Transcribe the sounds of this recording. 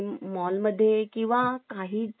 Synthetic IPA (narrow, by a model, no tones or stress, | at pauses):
mɔlməd̪ʱːjekĩw̃ʋakaɦiː